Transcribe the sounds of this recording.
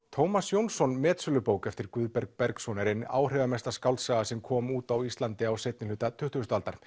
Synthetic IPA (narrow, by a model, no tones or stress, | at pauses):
t̪ʰowmasjownsɔnmɛːt̪sʏlʏpoːwkɛft̪ɪɾkʏðpɛɾk̚pɛɾksɔnɛɾɪna̰ːwr̥ɛvamɛst̪askawlt̪saːɣasɛmkʰɔːmuːt̪awist̪lant̪ɪawsejt̪nɪʏt̪at̪ʰʏht̪ʏʏst̪ʏalt̪aɾ̥